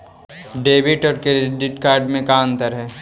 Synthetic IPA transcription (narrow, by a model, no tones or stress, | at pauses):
ɖeːbɪʈɔːɾkeɾɖɪʈkaːɾɖmẽkaːnt̪ɐɾɦɛː